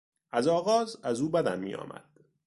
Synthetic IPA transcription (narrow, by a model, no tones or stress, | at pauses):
ʔæzɒːɣɒːzæzuːbæd̪æ̰mːḭːjɒ̰ːmʔæ̰d̪̥